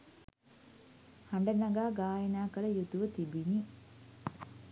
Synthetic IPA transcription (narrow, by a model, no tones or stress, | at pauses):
hɐɳɖɐnɐɡaːɡaːjɐnaːkəɭɐjut̪uʋət̪ibini